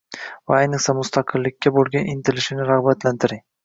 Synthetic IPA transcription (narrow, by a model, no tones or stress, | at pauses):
vaajnɨχsamʊst̪ʰaqʰɨlːɪkʲːabolˠɡʲanʔɪnt̪ʰɪlɪʃɪnɪɾaʁbat̪lant̪ʰɪɾɪŋ